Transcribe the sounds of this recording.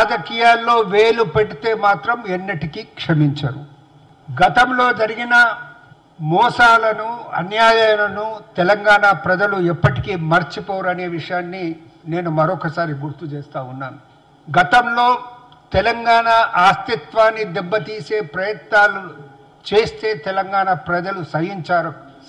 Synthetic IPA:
ɾaːd͡ʒɐkiːjaːlːo̞ːʋeːlupeɽit̪e̞ːmaːt̪ɾɐmenːɐʈikikʂɐmiɲt͡ʃɐɾu | ɡɐt̪ɐmlo̞ːd͡ʒɐɾiɡinɐ | mɔːsaːlɐnuɐ̰njaːjɐjɐnɐnut̪ɛlɐŋɡaːɳapɾɐd͡ʒɐluɛpːɐʈi̥kiːmɐɾt͡ʃipɔːɾɐne̞ːʋiʂɐjaːnːi | ne̞ːnumɐɾɔkɐsaːɾiɡuɾt̪ut͡ʃeːst̪aːunːaːnu | ɡɐt̪ɐmlo̞ː | t̪ɛlɐŋɡaːɳaʔaːst̪it̪ʋaːnːid̪ɛbːɐt̪iːse̞ːpɾɐjɐt̪naːlu | t͡ʃe̞ːst̪e̞ːt̪ɛlɐŋɡaːɳɐpɾɐd͡ʒɐlusɐjiɲt͡ʃaːɾɐ

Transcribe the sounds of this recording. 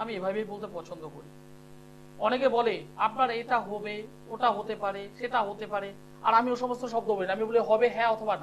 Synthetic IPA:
amiebʱabejbolt̪̬epɔt͡ɕʰond̪okoɾi | ɔnekebɔleap̚naɾeʈaɦɔbe | oʈaɦot̪epaɾeʃeʈaɦot̪epaɾe | aɾamioʃɔmost̪oʃɔb̚d̪oboɾiniamiboleɦɔbeɦɛɔt̪ʰoban

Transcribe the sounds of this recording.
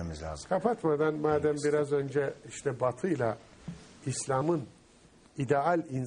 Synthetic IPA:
izkʰapʰat̪mad̪anmaːd̪æmbiɾazø̞nd͡ʒɛiʃt̪ʰɛbat̪ʰɯjlˠa | islʲamɯn | id̪ɛalʲin

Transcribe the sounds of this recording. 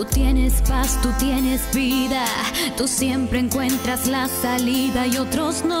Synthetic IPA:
ut̪je̞ne̞spast̪ut̪je̞ne̞zβiðat̪usje̞mpɾe̞ːŋkwe̞nt̪ɾazlasaliðaio̞t̪ɾo̞zn

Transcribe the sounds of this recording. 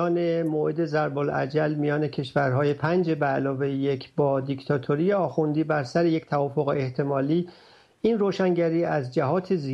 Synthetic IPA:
ɒːne̞moːʔed̪e̞zæɾbolʔæ̰d͡ʒælmijɒːne̞cʰe̞ʃvæɾɦɒːje̞pʰænd͡ʒe̞bælɒːve̞jjecʰbɒːd̪ict̪ʰɒːt̪ʰoɾijeɒːxund̪iːbæɾsæɾeje̞ct̪ʰævɒːfoɣeeht̪ʰe̞mɒːliː | inroːʃæŋɟæɾiːæzd͡ʒæɦɒːt̪ʰezi

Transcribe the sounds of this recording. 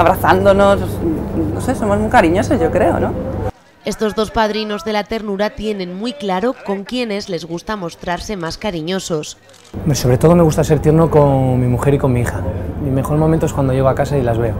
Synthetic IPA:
aβɾaθand̪onosnose̞so̞mo̞zmujkaɾiɲo̞se̞zʝokɾe̞o̞̰no | e̞st̪o̞zðo̞spað̞ɾino̞zðe̞lat̪e̞ɾnuɾat̪jenẽ̞nmwijklaɾo̞ko̞ŋkje̞ne̞zle̞zɣ̞ust̪amo̞st̪ɾaɾse̞maskaɾiɲo̞so̞s | omɾeso̞βɾe̞t̪o̞ð̞o̞me̞ɣust̪ase̞ɾt̪jeno̞ko̞ŋmimuxe̞ɾiko̞nmiixamime̞xo̞ɾmoment̪oekwand̪o̞ʝe̞ɣoakasailazβe̞o

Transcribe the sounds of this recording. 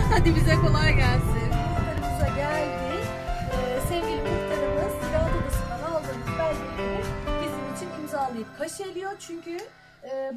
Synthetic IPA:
had̪ibizɛko̞lˠajɟælʲsint̪aɾɯmuzaɟælʲd̪i | ɛːsevɟʲilʲimizt̪ʰaɾɯmd̪asilʲaɦlˠobasɯnd̪analˠd̪ɯːnɯzbælʲːid̪eɾimbizimit͡ʃʰinimzalˠɯjɯp̚kʰaʃɯelʲijo̞t͡ʃʰyɲcʰyː

